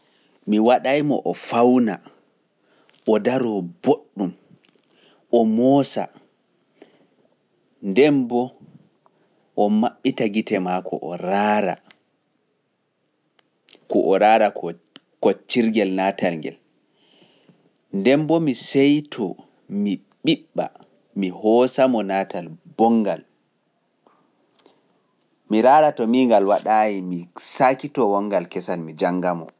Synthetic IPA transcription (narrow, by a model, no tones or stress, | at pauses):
miwaɗajmɔ̰ʔɔfawna | ʔɔdaɾɔboɗːum | ʔɔmɔːsa̰ | ndɛmbɔ | ʔɔmaɓːitaɡitɛmakʰɔ̰ʔɔɾaɾa̰ | kɔʔɔɾaːɾa | kɔt͡ʃiɾɡɛlnaːtalŋɡɛ̰l | ndɛmbɔmisɛjtʰɔ | mi | ɓiɓːa̰ | mihɔsamɔnatalbɔŋɡal | miɾaːɾatɔmiŋɡalwaɗaːjimisaːkitɔwɔŋɡalkɛsanmid͡ʒaŋɡamɔ̰